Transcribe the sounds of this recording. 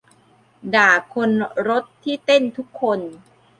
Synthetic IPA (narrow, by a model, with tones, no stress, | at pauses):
daː˨˩kʰːo˧nɾo˦˥t̪ʰːiː˥˩t̪e˥˩nt̪ʰu˦˥kʰːo˧n